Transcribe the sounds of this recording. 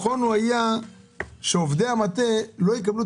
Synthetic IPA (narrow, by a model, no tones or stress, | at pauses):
χonuaja | ʃeovd̪eamat̪elo̞jek̬ablu